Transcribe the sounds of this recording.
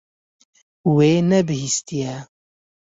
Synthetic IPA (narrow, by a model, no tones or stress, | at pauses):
weːnɛbɨhist̪ijɛ